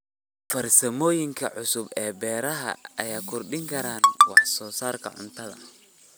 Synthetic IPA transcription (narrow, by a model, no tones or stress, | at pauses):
fɐrsɐmɔːjɪŋkʰɐʕʊsʊbɛːbɛːɾɐɦɐ̰ɐjaːkʰʊrɖɪŋkʰɐɾaːnwɑħsɔːsaːrkʰɐ̰ʕʊ̰nt̪ʰɐðɐ̰